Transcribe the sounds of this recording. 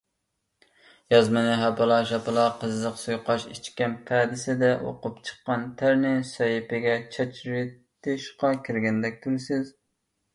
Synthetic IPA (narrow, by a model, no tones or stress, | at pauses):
jɑzmɨnɪɦæpɨlˠɑʃɑpɨlˠɑqʰəzːəqsujqɑʃit͡ʃkʲɛnpʰæd̪ɪsɪd̪ɛʔo̰qʊpt͡ʃʰə̥qːɑnt̪ʰæɾnɪsɑjipɪɡʲɛt͡ʃʰɑt͡ʃʰɾet̪ʰɪʃqɑkʲʰɪɾɡʲɛnd̪ɛk̚ʲt̪ʰuɾsɪz